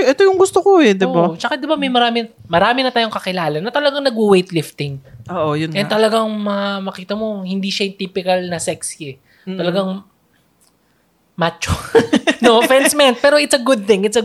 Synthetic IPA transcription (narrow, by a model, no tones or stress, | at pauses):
ʔɛt̪ojʊŋɡʊst̪okoɛd̪ɪbat͡ʃɐkad̪ɪbamɐjmɐɾaːmɪ | mɐɾaːmɪnɐt̪aːjoŋkɐkɪlaːlɐnːɐt̪ɐlɐɡaŋnɐɡʊwejt̪lɪft̪ɪŋʔoːʔojʊnɛnt̪ɐlɐɡaŋmɐmɐkiːt̪ɐmo̞hɪnd̪iʃɐt̪ipɪkɐlnɐsɛksɛ | t̪ɐlɐɡaŋ | mat͡ʃonoʔfɹɛnsmɛnt̪̚pɛːɾoʔɪt̪sɐɡʊd̪̚t̪ɪŋɪt̪sɐ